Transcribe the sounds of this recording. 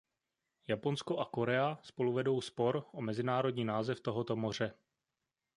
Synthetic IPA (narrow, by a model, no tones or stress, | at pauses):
japo̞nsko̞ʔako̞ɾɛaspo̞luvɛdo̞wspo̞ɾʔomɛzɪnaːɾo̞dɲiːnaːzɛft̪o̞ɦo̞t̪o̞mo̞r̝ɛ